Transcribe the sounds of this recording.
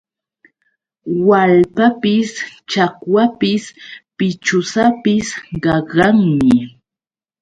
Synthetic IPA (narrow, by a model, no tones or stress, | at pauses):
walpapɪst͡ʃakwapɪspɪt͡ʃʊsapɪsɢɑɢɑŋmɪ